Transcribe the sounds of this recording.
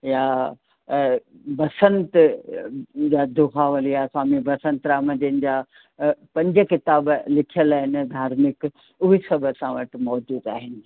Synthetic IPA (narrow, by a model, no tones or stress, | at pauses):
ja | bɐsə̃nt̪ | d͡ʑaːd̪ʊxaʋɐlijaswaːmibɐsə̃nt̪ɾaːmɐ̃d͡ʑənɪ̆d͡ʑaː | pɐ̃ɲd͡ʑə̆kɪt̪aːblɪkʰijəlaːɦɪnɪ̆d̪ʱaːɾmɪk | ʊɦisɐbʱəsãʋɐʈɪ̆mɔːd͡ʑuːd̪aːɦɪnɪ̆